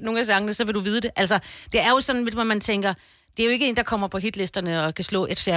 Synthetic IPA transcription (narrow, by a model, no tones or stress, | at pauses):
no̝ːŋæsɑ̈ŋənəsɒ̽ʋe̝ɾuʋiːð̞ˠəd̥e̝ʔælsɒd̥e̝æɐjo̝sɒ̽nn̩ʋedʋɒmænt͡sʰeŋ̰ɡ̥ɐ | d̥e̝æɐjo̝e̝ɡ̥əe̝ːnd̥ɑkʰɒ̽m̰ɐpʰɒ̽ɦid̥le̝sd̥ɐnəɒ̽kʰæslɔ̰̽ːʔe̝d̥fjæɐ